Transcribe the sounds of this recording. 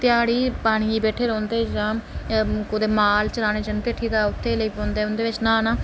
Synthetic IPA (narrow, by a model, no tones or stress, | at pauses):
t̪ɪjaːɽiːpaːɽ̃iːiːbɛːʈʰeːɾɔ̃ːnd̪eːd͡ʒaːmkod̪eːmaːlt͡ʃəɾaːñeːd͡ʒənt̪ɪʈʰːiːd̪aːʊt̪ʰːeːləiːpõːnd̪eːʊnd̪eːʋɪt͡ʃnãːnãː